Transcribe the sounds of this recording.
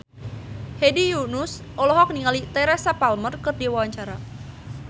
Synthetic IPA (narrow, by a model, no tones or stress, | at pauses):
hedijunʊs | ʔɔlɔɦɔk̚niŋalit̪ɛɾɛsapalmərkərdiwawaɲt͡ʃaɾa